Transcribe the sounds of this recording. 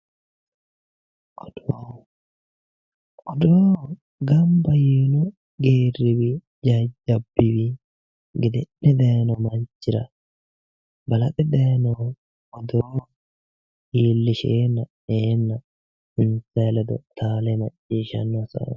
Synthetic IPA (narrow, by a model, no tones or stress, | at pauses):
ʔɔd̪̥o | ɔd̪oː | ɡɐmbɐjiːnʊ | ɡeːrɪbɪ | d͡ʒɐd͡ʒɐbːɪbɪ | ɡɪd̪ɛnːɛd̪eːnɔmɐnd͡ʒɪɾɐ | bɐlɐt̪ʼɛd̪eːnɔ | ʔɔd̪oː | iːlːɪʃeːnːɐ | eːnːɐ | ɪnsɐlɛd̪ɔt̪ʰaːlɛmɐt͡ʃʼːiːʃɐ̰nːɔsɐ̰